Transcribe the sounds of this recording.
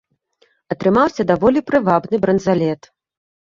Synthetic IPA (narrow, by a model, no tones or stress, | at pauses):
ɐt̪ɾɨmawsʲɐd̪avɔlʲipɾɨvabnɨbɾɐnd̪zalʲɛt̪